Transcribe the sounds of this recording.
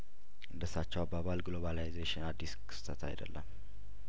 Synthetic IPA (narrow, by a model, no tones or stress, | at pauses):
ʔɨnd̪əsat͡ʃːɛwabaβalɡlo̞βalajzeʃɪnad̪ːiskʰɨ̥st̪ʰət̪ʰa̰jd̪ə̰lːə̰m